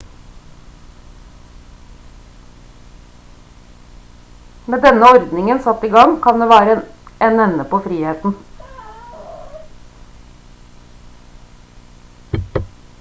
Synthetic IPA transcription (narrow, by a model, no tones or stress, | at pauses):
meːd̪ɛnəɔɾd̪nɪŋənsɑt̪iːɡɑŋkʰɑnd̪eːʋæːɾəeːnɛnəpoːfɾiːheːt̪n̩